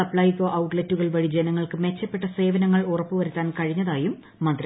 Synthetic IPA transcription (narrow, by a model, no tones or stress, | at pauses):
ɐpɭaːjkoːʔɐwʈletːuɣɐɭʋɐɻid͡ʑenɐŋːɐɭkɨme̞t͡ɕːɐpːe̞ʈːɐse̞ːʋɐnɐŋːɐɭurɐpːɨʋɐɾut̪ːaːnkɐɻiɲːɐðaːjumː | ɐnd̪rɐ